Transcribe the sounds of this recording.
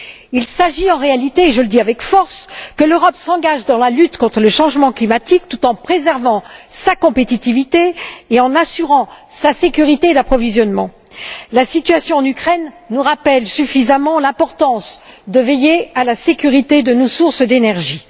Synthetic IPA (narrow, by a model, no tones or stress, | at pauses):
ilsaʒiɑ̃ʁealit̪eːʒələd̪iavɛkfɔʁskəløʁɔpsɑ̃ɡaʒd̪ɑ̃lalyt̪kɔ̃t̪χələʃɑ̃ʒmɑ̃klimat̪ik̚t̪ut̪ɑ̃pχezɛʁvɑ̃sakɔ̃pet̪it̪ivit̪eːɑ̃nasyʁɑ̃sasekʲyʁit̪ed̪apχɔvizjɔnmɑ̰̃ | lasit̪ɥasjɔ̃ɑ̃nykχɛnːuʁapɛlsyfizamɑ̃lɛ̃pɔʁt̪ɑ̃sd̪əvejealasekʲyʁit̪ed̪ənosuʁsd̪enɛʁʒi